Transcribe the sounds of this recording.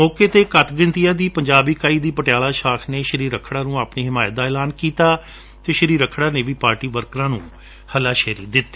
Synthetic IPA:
mɔːkeːt̪eːkət̪ɡɪ̃nt̪ijãːd̪iːpəɲd͡ʒaːbiːkaːiːd̪iːpəʈɪjaːlaːʃaːkʰneːʃəɾiːɾəkʰːɽaːnũːaːpniːɦɪmaːjət̪̚d̪aːɛːlaːnkiːt̪aː | t̪eːʃəɾiːɾəkʰɽaːneːʋiːpaːɾʈiːʋəɾkɾãːnũː | həlaːʃeːɾḭːd̪ɪt̪ːe̥ː

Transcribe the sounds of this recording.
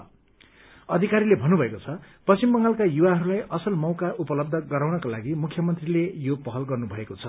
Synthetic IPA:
ʌd̪ʱikaɾilebʱʌnːubʱʌekot͡sʰʌpʌsimbʌŋɡalkajuwaɦʌɾulajʔʌsʌlmʌwkaʔupʌlʌb̚d̪ʱʌɡʌɾawnʌkalaɡimukʰjʌmʌnt̪rilejopʌɦʌlɡʌrnubʱʌekot͡sʰʌ

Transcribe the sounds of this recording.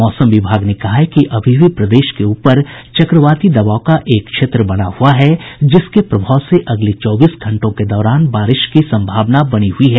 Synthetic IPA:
mɔːsə̃mʋɪbʱaːɡnekɐɦaɦkiʔɐbʱibʱipɾɐd̪eːʃkeuːpəɾt͡ʃɐkɾəʋaːt̪id̪ɐʋaːokaʔeːkːʃeːt̪ɾəbɐɽ̃a̰huaɦɛd͡ʒɪskepɾɐbʱaːʊseʔɐɡlet͡ʃɔːbiːsɡʱɐ̃ɳʈõked̪ɔːɾaːnbaːɾɪʃkisɐ̃mbʱaːʋnabɐñiɦʊiɦɛː

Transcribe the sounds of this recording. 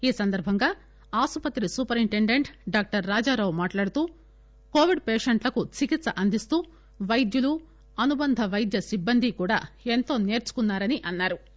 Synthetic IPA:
iːsɐnd̪ɐɾbʱɐŋɡaː | aːsupɐt̪ɾisuːpɐɾiɳʈeɳɖe̞ɳʈɖaːk̚ʈɐɾːaːd͡ʒaːɾɐwmaːʈlaːɽut̪uː | ko̞ːʋiɖpeːʂeɳʈlɐkut͡ʃikit̪sɐʔɐnd̪ʱist̪uː | ʋɐjd̪julu | ɐnubɐnd̪ʱɐʋɐjd̪jɐsibːɐnd̪ʱikuːɽa̰ːe̞nt̪o̞ːne̞ːɾt͡ʃu̥kunːaːɾɐniʔɐnːaːɾu

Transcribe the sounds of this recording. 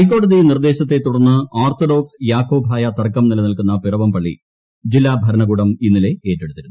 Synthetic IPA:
hɐjk̬ːo̞ːɽɐðinird̪e̞ːɕɐt̪̬ːe̞t̪uɽɐnːɨaːrt̪oɖo̞ːksjaːkʰːoːbʱaːjɐt̪ɐrkːɐmnilɐnɐlkunːɐpirɐʋɐmpɐɭːḭ | d͡ʑilːaːbʱɐɾɐɳɐɣuːɽɐminːile̞e̞ːtːe̞ɽut̪ːiɾunː

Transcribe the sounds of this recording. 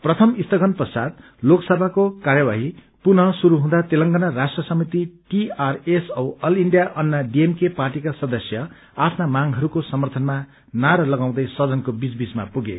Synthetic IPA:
prʌt̪ʰʌmist̪ʰʌɡʌnprʌsad̪ | loksʌbʱakokaɾjʌbaɦi | punʌsuɾuɦũd̪at̪elʌŋɡʌnʌrasʈrʌsʌmit̪iʈiaresʌwʌliɳɖijaʔʌnːʌɖiemkeparʈikasʌd̪ʌsjʌ | apʰnamaŋɦʌɾukosʌmʌrt̪ʰʌnma | naɾʌlʌɡãw̃d̪ʌjsʌd̪ʌnkobit͡sbisma̰puɡe

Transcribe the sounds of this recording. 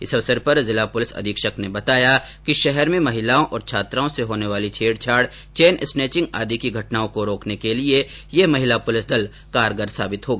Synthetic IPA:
ɪsɐʋsəɾpɐɾzɪlapʊlɪsɐ̰d̪ʱiːkʃəknebɐt̪aːjakiʃɛɦɛɾmẽmɐɦɪlaːõʔɔːɾt͡ʃʰaːt̪ɾaːõseɦoːneʋaːlit͡ʃʰeːɽt͡ʃʰaːɽ | t͡ʃeːnɪsneːt͡ʃɪ̃ŋɡa̰ːd̪ikiɡʱɐʈnaːõkoɾoːknekeliejemɐɦɪlapʊlɪsd̪ɐl | kaːɾɡəɾsa̰ːbɪt̪ɦoːɡaː

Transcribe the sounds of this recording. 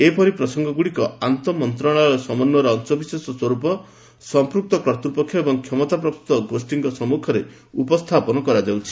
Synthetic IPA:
epɔɾipɾɔsɔŋɡɔɡuɽikɔant̪ɔmɔnt̪ɾaɭ̃ɔɾɔsɔmɔnːɔɾɔːnt͡ʃɔbisesɔswɔɾupɔ | sɔmpɾuk̚t̪ɔkɾɔt̪upɔkʰːjɔebɔŋkʰjɔmɔt̪ap̬ɾɔp̚t̪ut̪ɔɡosʈiŋkɔsɔmukʰɔɾe | upɔst̪ʰapɔnɔkɔɾad͡ʒawt͡ʃʰi̥

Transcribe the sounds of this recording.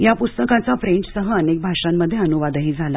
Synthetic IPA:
japust̪əkãt͡safɾeɳʈsəɦəənek̚bʱaʂamːəd̪ʱːjeənuʋad̪əɦiːd͡zʱala

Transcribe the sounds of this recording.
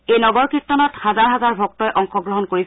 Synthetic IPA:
ejnɔɡɔɹkɹitːɔnɔthazaɹɦazaɹbʱɔk̚tɔjʔɔŋxɔɡɹɔɦɔnkoɹis

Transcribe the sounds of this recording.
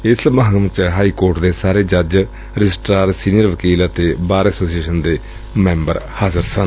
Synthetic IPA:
ɪsmãːɡəmt͡ʃɦaːiːkoːɾʈd̪eːsaːɾeːd͡ʒəd͡ʒ | ɾɪd͡ʒɪsʈɾaːɾsiːnijəɾʋəkiːlət̪eːbaːɾɛːsoːsieːʃənd̪eː | mɛ̃ːmbə̰ɾhaːzəɾsən

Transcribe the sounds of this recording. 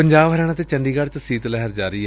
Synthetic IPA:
əɲd͡ʒaːbɦəɾɛːɽ̃ãːt̪eːt͡ʃəɳɖiːɡəɽt͡ʃsiːt̪lɛɦəɾd͡ʒaːɾiː

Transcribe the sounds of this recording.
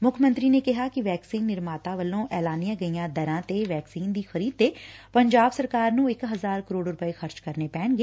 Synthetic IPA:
mʊkʰmə̃nt̪ɾiːnekɪɦaːkɪʋɛːksiːnːɪɾmaːt̪aːʋəlːõːʔɛːlaːnijãːɡəijãːd̪əɾãːt̪eʋɛːksiːnd̪iːxəɾiːd̪̚t̪eːpəɲd͡ʒaːbsəɾkaːɾnũːɪkɦəzaːɾkəɾoːɖɾʊpəexəɾt͡ʃkəɾneːpɛ̃ːɳɡeː

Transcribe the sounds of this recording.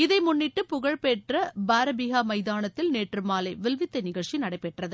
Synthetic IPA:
ɪðɐɪmʊnːɪʈːɯpʊɣɐɻpeːʈrɐbaːɾɐbiɣaːmɐɪðaːnɐt̪ːɪlneːʈrɯmaːlɐɪʋɛlʋɪt̪ːɐɪnɪɣɐɭt͡ʃinɐɽɐɪpːɛʈrɐðɯ

